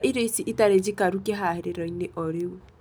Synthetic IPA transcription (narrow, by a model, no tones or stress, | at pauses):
ʔiɾeisiʔitaɾed͡ʒikaɾukeɦaɦɪɾeɾɔɲneʔɔɾewe